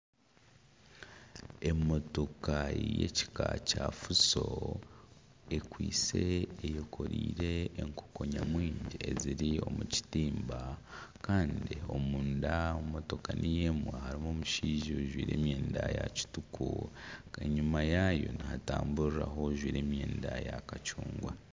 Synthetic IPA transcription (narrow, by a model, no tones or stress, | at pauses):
e̞mo̞to̞kajḛci̥kacafuso | ekwiːt͡se̞ːjo̞kʰo̞ɾḭːɾe̞ːŋko̥ko̞ɲamwiːɲɟieziɾio̞muci̥tiːmbakaːndio̞muːndaomo̞to̞kanʔijemwahaɾimoːmuʃiːʒioʒwiːɾe̞ːmje̞ːndajaci̥tukueɲimajajo̞̰nihataːmbuɾiɾa̰ɦo̞ʒwiːɾe̞ːmjeːndajakacuːŋɡwa